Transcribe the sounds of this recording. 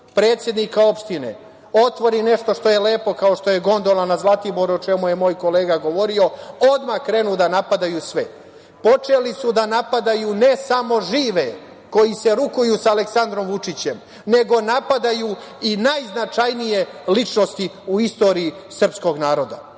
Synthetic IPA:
pɾe̞ːt̪sje̞d̪nikao̞pʃt̪ine̞̰ | o̞t̪ʋo̞ɾine̞ʃt̪o̞ʃt̪o̞jeleːpo̞kao̞ʃt̪ojeɡo̞nd̪olanazlˠat̪ibo̞ɾuot͡ʃe̞muje̞mo̞ːjko̞le̞ːɡaɡo̞ʋo̞ɾio̞o̞d̪makɾe̞nud̪anapad̪ajusʋɛ | po̞t͡ʃe̞lisud̪anapad̪ajune̞samo̞ʒiːʋe̞ | ko̞jise̞ɾukujusaale̞ksand̪ɾo̞mʋut͡ʂit͡ɕe̞m | ne̞ɡo̞napad̪ajuinajznat͡ʃajnije̞lit͡ʃno̞st̪iuist̪o̞ːɾiːsr̩psko̞ɡnaːɾo̞d̪a̰

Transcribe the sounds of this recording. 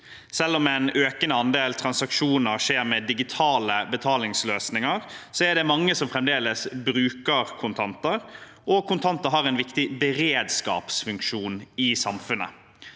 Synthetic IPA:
sɛlːɔmɛnøːkənɑnd̪eːlt̪ʰɾɑnsɑkʃuːnəɾʂeːɾmɛd̪ɪɡɪt̪ʰɑːləbət̪ʰɑːlɪŋsløːsnɪŋɑɾsɔæɖ̪ɛmɑŋːəsɔmfʁɛmd̪eːləsbɾʉːkəʁkʰʊnt̪ʰɑnt̪əɾ | ɔkʰʊnt̪ʰɑnt̪əɾɦɑːɾɛnʋɪkt̪ɪbɛɾeːd̪skɑ̰ːpsfʉŋkʂuːnɪsɑmfʉnːə̰

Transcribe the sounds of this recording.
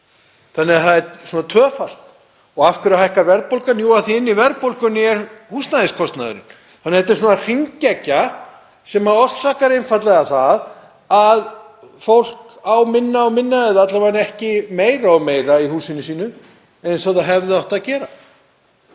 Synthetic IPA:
θanːɪaθaðɛɾsuːnat̪ʰvœːfal̥t̪ | ɔɣafkʏɾahajhkavɛɾpowlkanjuaθiɪnːivɛɾpowlkʏnɪɛɾhuːst̪naðɪskʰɔst̪naðʏ̰ɾɪ̰n | θanːhɛt̪ɪɾsuːnar̥iɲcɛcːa | sɛmaɔsahkaɾenfat̪lɛɣaθað | að | fowl̥k | awmɪnːaɔɣmɪnːaɛðat̪lavanɛhcɪmeːjɾaɔɣmeːjɾaihuːsɪnːɪsiːnʏ | ejnsɔðaɦɛvðɪawht̪aðcɛːɾa

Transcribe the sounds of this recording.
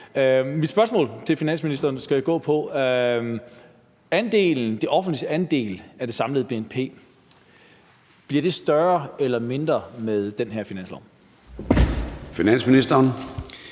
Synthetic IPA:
mid̥sb̥ɶɐsmɔ̰̽ːlt͡sʰe̝lfinæn̰sminisd̥ɐːnsɡ̥æjaɡ̥ɔ̰̽ːpʰɒ̽ | ænd̥e̝̰ːln̩d̥e̝ʔɒ̽fn̩d̥lid̥əænd̥e̝̰ːlæd̥e̝sɑ̈mləð̩ˠb̥e̝enpʰe̝̰ː | b̥liɐd̥e̝sd̥ɶɐelɐme̝nd̥ʁɐmeðˠd̥enɦæɐ̰finæn̰slɒ̰ʊm | finæn̰sminisd̥ɐːn

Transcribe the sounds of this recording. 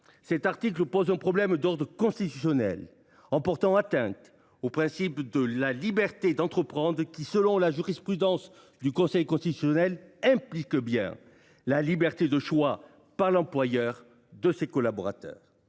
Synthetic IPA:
sɛt̪aʁt̪ik̬ləpozɛ̃pχɔblɛmd̪ɔʁd̪ʁəkɔ̃st̪it̪ysjɔnɛ̰l | ɑ̃pɔʁt̪ɑ̃at̪ɛ̃t̪ | opχɛ̃sipd̪əlalibɛʁt̪ed̪ɑ̃t̪χəpχɑ̃d̪ʁkʲisəlɔ̃laʒyʁispχyd̪ɑ̃s | d̪ykɔ̃sɛjkɔ̃st̪it̪ysjɔnɛlɛ̃plikbjɛ̰̃ | lalibɛʁt̪ed̪əʃwa | paʁlɑ̃plwajœʁ | d̪əsekɔlabɔʁa̰t̪œ̰ːʁ

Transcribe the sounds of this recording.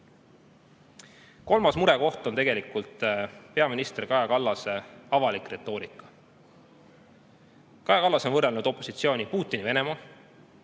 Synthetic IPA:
ko̞lmɑsmuɾe̞ko̞ht̪ˑo̞nt̪e̞ɡe̞likult̪ˑpe̞ɑminist̪erikɑjɑkɑlːɑseɑvɑlikre̞t̪ːˑo̞ːɾikˑːɑ̥ | kɑjɑkɑlːɑsnvɤrːelnud̪o̞pːˑo̞sit̪sio̞ːnʲipuːt̪ːˑinive̞ne̞mɑ

